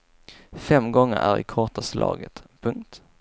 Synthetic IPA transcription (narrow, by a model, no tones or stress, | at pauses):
fɛmːɡɔŋːəɾæɾɪ̰kʰɔʈaslʔɑ̰ːɡət̪pʰɵŋk̚t̪